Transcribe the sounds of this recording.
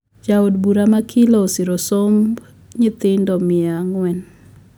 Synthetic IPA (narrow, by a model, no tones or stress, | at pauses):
d͡ʒaodbuɾamakʰilosiɾosomb | ɲɪt̪ɪndɔmɪaŋwɛn